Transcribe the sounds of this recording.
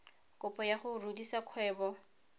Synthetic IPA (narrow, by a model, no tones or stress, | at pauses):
kʼʊpʼɔjaχʊrudisakʰwɛːbɔ